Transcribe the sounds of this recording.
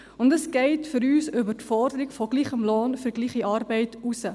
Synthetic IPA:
ɔndəskɛjtfəɾyːsəvərtfɑːrdəɾikfɔkliχəmlɑːnfərkliχiʔɑrbəjtusə

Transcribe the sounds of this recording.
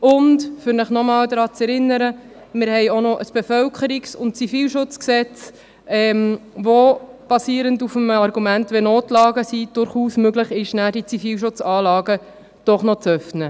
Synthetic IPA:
ʊndfʏɾnəχnɔmɑːldɾɑːt͡sɛɾɪnːəɾə | mɪɾhɛɪonɔʔəsb̥efœlkʰəɾiksʊnt̚t͡sifiːlʃʊt͡sksɛt͡s | ɛmʋob̥ɑsiːɾəndufəmɑɾɡumæntʋɛnoːtlɑːɡəsid̥ʊɾχuːsmøɡləχɪʃnæːd̥it͡sifiːlʃʊt͡sɑːlɑːɡə | d̥ɔχnɔt͡sœfnə

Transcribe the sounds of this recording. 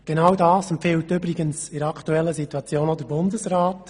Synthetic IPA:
ɡ̥ɛnawdɑːsɛmpfɪltʏbɾɪɡənsɪɾɑkʰtuɛlːəsituɑt͡sjoːnɔd̪əɾbʊndəsraːt

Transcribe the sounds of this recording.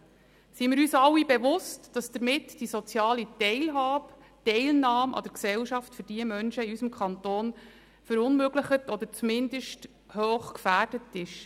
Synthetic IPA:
simɪːɾyːsɑwːibeʋʊstd̥ɑsd̥əɾmɪtd̥isɔt͡sjɑːlitɛɪlɦɑːb | tɛɪlnɑːmʔɑ̰d̥əɾksɛwʃɑftfʏɾd̥iəmœnʃəiysəmkʰχɑntoːn | fəɾʊnmøɡləχətɔd̪əɾt͡sumɪndəʃt | høːχkfæːrd̥ətɪʃ

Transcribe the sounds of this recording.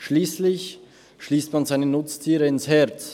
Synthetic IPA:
ʃliːslɪç | ʃliːstmanzaɪnənʊt͡stʰiːʁəɪnshɛɐt͡s

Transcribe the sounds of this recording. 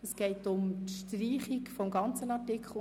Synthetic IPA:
əsɡ̥ɛɪtʊmtʃtɾiːχikfɔmɡɑnt͡sənɑtɪkʰχəl̩ˠ

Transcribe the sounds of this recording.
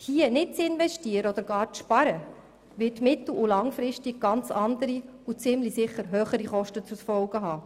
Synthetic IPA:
hiənɪt̚t͡sɪnvɛʃtiːəɾəɔd̪əɾɡɑːɾt͡sʃpɑɾə | ʋɪtmɪt̪l̩ulɑŋfɾɪstiɡ̚ɡ̥ɑnt͡sɑnd̪əɾi | ut͡sɪmlisɪχəɾɦøːχəɾiχɔʃtət͡susfɔlɡəɦɑː

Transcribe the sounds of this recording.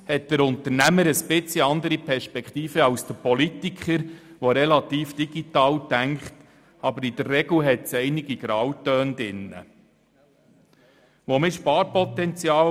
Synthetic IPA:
hɛt̚d̥əɾʊntəɾnæməɾəsbɪt͡siɑnd̪əɾipʰɛɾʃpɛkχt̪iːfəɑwsd̥̪əpɔlitikχəɾʋoɾɛlɑt̪iːfd̥iɡ̥itɑːwtæŋkχt | ɑbəɾid̥ərːɛɡl̩ɦɛtsɛjnɪɡiɡ̥ɾɑwtːœːndɪnːə̰ | ʋomɪʃpɑːɾpɔt̪ɛnt͡sjɑː

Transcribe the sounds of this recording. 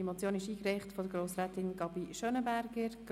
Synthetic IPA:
mɔt͡sjoːnɪʃiːkɾɛɪχtfɔdəɾɡɾoːsɾɛt̪ɪŋɡ̥ɑbiʃœnəbæɾɡəɾɡ̥

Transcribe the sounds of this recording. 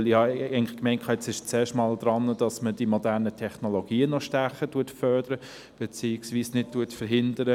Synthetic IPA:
lihɑenlɪχkmɛɪntkʰɑɛt͡sɪʃt͡sɛːʃtmɑːld̥ɾɑnːəd̥ɑsməd̥imodæːʁnətʰɛχnoloɡ̥iːənɔʃtæχətuɐtfœɾd̥əɾə | b̥ɛt͡siːɪksʋiːsnɪt̚tuətfəɾɦɪndəɾə

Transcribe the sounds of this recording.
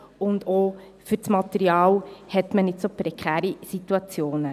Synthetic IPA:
ʊnd̪o | fʏɾsmɑt̪ɛɾiɑːlhɛt̪mənɪtsopɾɛkχæːɾisit̪uɑt͡sjoːnə

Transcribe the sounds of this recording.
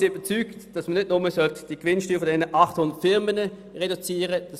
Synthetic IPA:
yb̥ət͡syːktd̥ɑsmənɪtnʊməsœltə̥d̥iɡ̥vɪnʃtyːʁfɔndɛnəʔɑχthʊnd̥̪ətfɪʁmənə | ʁedut͡siːʁəd̥ɑs

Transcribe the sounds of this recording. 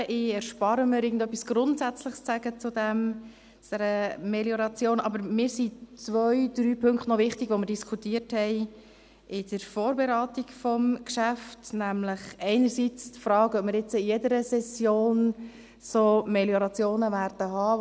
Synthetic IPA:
ʔɪɛɾʃpɑɾəməɾɪːɡən̩d̪œpːisɡ̥ɾʊntsæt͡sləχst͡sæɡ̥ət͡sʊd̪ɛm | t͡sd̥ɛɾəmeljɔɾɑt͡sjoːnɑbəɾmɪːɾsit͡sʋœʏd̪̥ɾyːpʰɵŋktnɔvɪχtiɡʋoməɾd̥iskʰutiːəthɛɪ | ʔɪd̥əɾfoːɾbeɾaːtikfɔmkʃæftnæmləχɛɪnəɾsit͡stfɾɑːkœp̚məɾjɛt͡səɪjɛdəɾəsɛsjoːn | somɛljɔɾɑt͡sjoːnəvæːɾd̥əɦɑː

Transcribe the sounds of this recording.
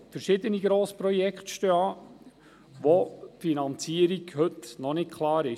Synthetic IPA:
fəɾʃɪd̪əniɡɾoːspɾɔjɛkχt̪ʃtøːɑː | ʋofinɑnt͡siːəɾiɡhɵt̪nɔnɪt̚kʰlˠɑːɾɪ

